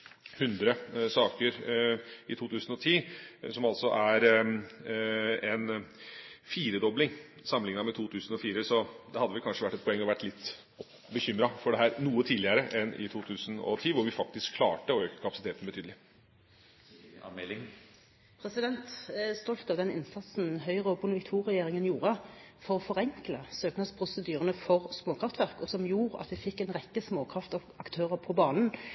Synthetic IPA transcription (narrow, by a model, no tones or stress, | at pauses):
hʉnd̪ɾəsɑːkəɾ | ɪt̪ʰuːt̪ʰʉːsən̩ɔt̪ʰiːsɔmɑlt̪sɔʔæɾ | ɛn | fiːɾəd̪ɔblɪŋ | sɑmːənɪŋnɑmɛt̪ʰuːt̪ʰʉːsənɔfiːɾəsɔd̪ɛhɑd̪ːʋɪlkʰɑnʂəʋæʈːɛt̪pʰɔɛŋːɔʋæʈːlɪt̪ː | bəçʏmɾɑfɔɖɛɦæːɾnuːət̪ʰiːd̪lɪəɾəʔɛnʔɪ̰t̪ʰuːt̪ʰʉːsənɔ̰t̪ʰiːʋʊɾʋɪfɑk̚t̪ɪskʰːlɑ̰ːʈəɔøːkəkʰɑpɑsɪt̪ʰeːt̪n̩bət̪ʰyːd̪əlɪ | pʰʁɛsɪd̪ɛnt̪st̪ɔlt̪ɑʋd̪ɛnɪ̰nsɑt̪sn̩ɦœʏʁəɔbʊnʋɪkt̪ʰuːʁɛjeːɾɪŋənjuːɾəfɔʁɔfɔʁɛŋkləsøːknɑspʰɾʊsəd̪yːʁənəfɔʁsmoːkʰʁɑft̪ʋæʁkɔsɔmjuːʁɑ̰t̪ʋɪfɪkːɛnʁɛkːəsmoːkʰʁɑft̪ɑ | ɑkt̪ʰøːʁəpʰɔbɑːnən